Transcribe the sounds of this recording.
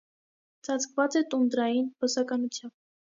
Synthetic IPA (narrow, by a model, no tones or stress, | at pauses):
t͡sʰɑt͡sʰkʰvɑt͡sɛt̪und̪ɾɑjinbəsɑkɑnut͡sʰjɑmb̚